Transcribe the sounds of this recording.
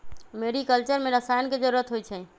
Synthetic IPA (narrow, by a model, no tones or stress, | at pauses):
meɾikəlt͡ʃəɾmeɾəsajənked͡ʒəɾuɾət̪ɦojt͡ʃʰə